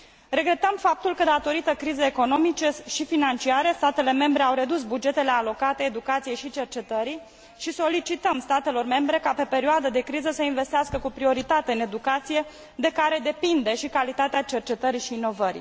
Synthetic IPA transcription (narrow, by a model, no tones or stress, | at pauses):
re̞ɡɾe̞t̪əmfap̚t̪ulkəd̪at̪o̞ɾit̪əkɾizəeko̞no̞mit͡ʃeʃifinant͡ʃiaɾest̪at̪e̞le̞me̞mbɾe̞awɾe̞d̪usbud͡ʒe̞t̪e̞le̞alo̞kat̪e̞ːd̪ukat̪sijejʃit͡ʃe̞rt͡ʃe̞t̪əɾi | ʃiso̞lit͡ʃit̪əmst̪at̪e̞lo̞rme̞mbɾe̞kape̞pe̞ɾioad̪əd̪e̞kɾizəsəinve̞st̪ɪaskəkupɾio̞ɾit̪at̪e̞ɨne̞d̪ukat̪sije̞ | d̪e̞kaɾe̞d̪e̞pind̪e̞ʃikalit̪at̪eat͡ʃe̞rt͡ʃe̞t̪əɾiʃiːno̞vəɾḭ